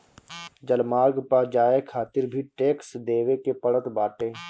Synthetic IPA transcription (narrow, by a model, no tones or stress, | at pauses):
d͡ʒəlmaːɾɡpad͡ʒaːekʰaːt̪ɪɾbʱiʈeːksd̪eːʋekepəɽət̪baːʈeː